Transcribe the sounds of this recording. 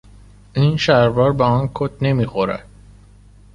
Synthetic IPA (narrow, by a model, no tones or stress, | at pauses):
ʔiːnʃæɾbɒːɾbeɒːnkʰot̪ne̞miːxo̞ɾæ̰d̪̥̚